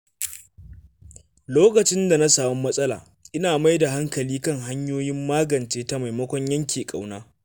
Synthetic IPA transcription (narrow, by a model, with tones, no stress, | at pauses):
loː˦kɐ˨t͡ʃɪ˦nda˨na˦saː˨mɔ˦mːɐ˦sʼɐ˦la̰ː˨ | ʔɪ˦naː˨ma˦jda˨ha˦ŋkɐ˨liː˦kɐ˦ŋɦa˦ɲjoː˦jɪ˦mːaː˦ɡɐ˨nt͡ʃeː˦ta˦ma˨jmɐ˦kʷɔ˦ɲjɐ˦ŋkʲeː˨kʼa̰˨wnaː˦